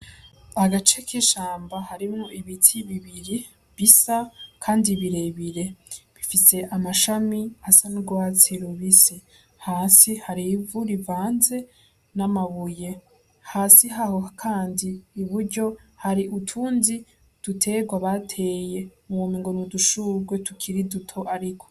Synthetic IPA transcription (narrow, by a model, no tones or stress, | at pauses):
aɡat͡ʃekʰiʃaːmbahaɾimŋoiβitʰiβiβiɾi | βisakʰaːndiβiɾe̞βiɾe̞βifise̞ʔamaʃamiasanuɡwaːt͡siɾuβisi | haːsihaɾivuɾivaːnze̞ | namaβuje̞ | haːsiɦaho̞kʰaːndiːβuɾɟo̞haɾiʔutʰuːnzi | d̥utʰe̞ɡwaβatʰe̞ːje̞umβumiŋɡo̞nuduʃuɾɡwe̞tukʰiɾidutʰo̞ʔaɾikʰo̞